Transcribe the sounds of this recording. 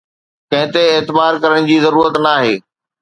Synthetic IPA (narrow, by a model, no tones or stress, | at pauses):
kɐ̃ɦɪ̃t̪eːt̪ɪbaːɾkɐɾəɽ̃d͡ʑiːzɐɾuːɾət̪naːɦeː